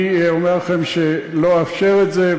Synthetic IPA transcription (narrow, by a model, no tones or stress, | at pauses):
omeʁlχemʃeloafʃeʁet̪ze